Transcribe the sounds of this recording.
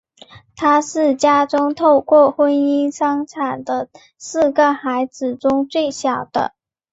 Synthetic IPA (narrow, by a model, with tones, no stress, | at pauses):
t̪ʰa˥ʂɻ̩˥˩t͡ɕja˥ʈ͡ʂʊ˥ŋt̪ʰo˥˧ʊkwɔ˥˩xwə˥ni˥nʂɑ˥ŋʈ͡ʂʰa˨˩nd̪ə˦ | sɹ̩˥˩ɡə˩xa˧˥ɪd͡zɹ̩˨˩ʈ͡ʂʊ˥ŋt͡swe˥˩ɪɕjɑ˨˩ʊd̪̥ə̰˦